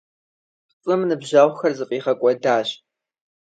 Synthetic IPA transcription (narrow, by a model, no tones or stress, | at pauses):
t͡sʼɨmnɨbʑaʁʷxɐrzɨfʼiːχɐkʷʼɔdaːɕ